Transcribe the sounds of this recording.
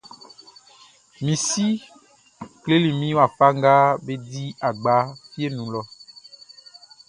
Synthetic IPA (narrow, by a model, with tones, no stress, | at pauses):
mĩ˨si˦ | kle˦li˨mĩ˦wa˨fa˦ŋɡa˦be˦di˦a˨ɡ͡ba˨˦fi˦e˦nũ˨lɔ˨